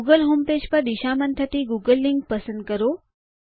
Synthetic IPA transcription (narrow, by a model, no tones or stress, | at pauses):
uɡəlɦoːmpeːd͡ʒpəɾd̪iʃamənt̪ʰət̪iɡuɡəlːiŋɡ̚pəsə̃nd̪̚kəɾo